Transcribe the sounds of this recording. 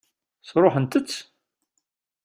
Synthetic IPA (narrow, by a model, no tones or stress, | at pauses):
θɾˤoħənt̪ət͡sː